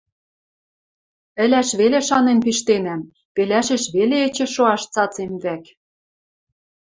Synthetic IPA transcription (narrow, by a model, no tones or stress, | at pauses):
ɘ̆læʃβeleʃɑnenpiʃt̪enæm | pelæʃĕʃβeleĕt͡ɕɘ̆ʃoɑʃt͡sɑt͡semβæk